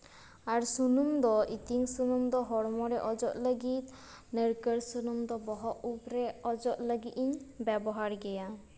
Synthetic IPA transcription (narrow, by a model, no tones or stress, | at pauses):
aɾsunumd̪ɔʔit̪iŋsunumd̪ɔɦɔɽmɔɾɛʔɔd͡ʒɔt̪ləɡit̪̚ | nəɾkəɾsunumd̪ɔbɔɦɔʔupɾɛɔd͡ʒɔʔ̪ləɡiʔ̪iɲbɛbɔɦaɾɡɛja